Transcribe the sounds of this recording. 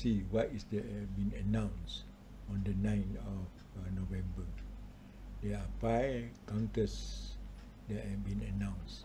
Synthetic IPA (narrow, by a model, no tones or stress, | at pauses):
siwatisdɛt̚hɛfbĩnənãw̃ns | ɔ̃ndənãj̃nɔf | novɛ̃mbə | dɛapajkãw̃ntəs | dɛt̚hɛfbĩnənãw̃ns